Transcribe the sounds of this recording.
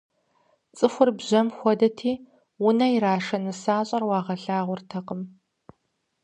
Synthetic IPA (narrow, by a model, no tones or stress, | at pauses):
t͡sʼɨxʷʊrbʑɐmxʷɔdɐtʰiː | wʊnɐiɾaːʂɐnɨsaːɕʼɐrwɑːʁɐɬaːʁʷʊrtʰɐqəm